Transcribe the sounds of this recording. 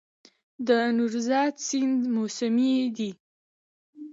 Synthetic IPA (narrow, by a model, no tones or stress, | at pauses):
d̪ənuɾzɑd̪sɪnd̪mosamid̪i